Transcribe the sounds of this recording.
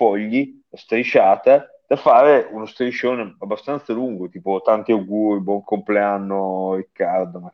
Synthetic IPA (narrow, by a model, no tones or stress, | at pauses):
fɔʎːi | ast̪ɾit͡ʃaːt̪a | d̪̥afaːɾeunost̪ɾit͡ʃoneabːast̪ant̪saluŋɡot̪iːpot̪ant̪iaɡuːɾibwɔŋkʰompleanːorikːard̪oma